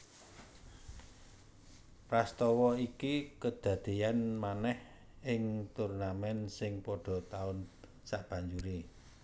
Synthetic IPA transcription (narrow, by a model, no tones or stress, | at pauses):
prast̪ɔwɔikikəd̪̥ä̤d̪̥i̤janmanɛh | ɪŋt̪urnamɛnsɪŋpɔɖ̥ɔ̤t̪aʊn | saʔb̥a̤ɲd͡ʒuɾi